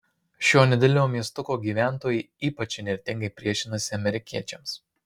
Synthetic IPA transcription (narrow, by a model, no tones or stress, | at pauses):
ʃʲoːnʲɛd̪ʲɛlʲnʲoːmʲiɛst̪ʊkoːɡʲiːʋʲæˑnˑt̪oːjɛ | iːpɐt͡ʃʲɪnʲɛɾʲt̪ʲɪŋɡɐɪpʲɾʲiɛʃʲɪnɐsʲɪɐmʲɛɾʲɪkʲiɛt͡ʃʲɛms